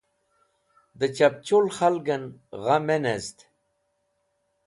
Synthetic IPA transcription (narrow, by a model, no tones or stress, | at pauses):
d̪ət͡ɕap̚t͡ɕolxalɡənɣamenezt̪